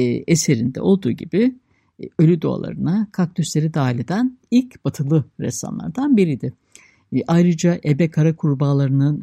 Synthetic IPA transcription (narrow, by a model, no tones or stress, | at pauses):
ese̞ɾind̪ɛ̰o̞lˠd̪uːɟibi | ølʲyd̪o̰a̰lˠa̰ɾɯnakʰak̚t̪ʰyslʲeɾid̪aːilʲed̪ænilʲcbat̪ʰɯlˠɯɾɛ̰sa̰nlˠa̰ɾd̪anbiɾid̪ɪ | ʔajɾɯd͡ʒaʔebɛkʰaɾakʰuɾbaːlˠaɾɯnɯn